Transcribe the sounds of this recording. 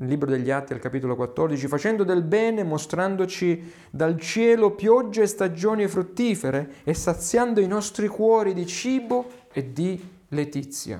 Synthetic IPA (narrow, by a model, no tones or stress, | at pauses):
lːiːbɾod̪eʎːiat̪ːia̰lkapiːt̪olokwat̪ːɔrd̪it͡ʃifat͡ʃɛnd̪od̪elbɛːnemost̪ɾand̪ot͡ʃi | d̪alt͡ʃjɛːlopjɔd͡ʒːest̪ad͡ʒoːnifɾut̪ːiːfeɾeesːat̪sːjand̪oinɔst̪ɾikwɔːɾid̪it͡ʃiːbo | ed̪i | let̪it̪sːja̰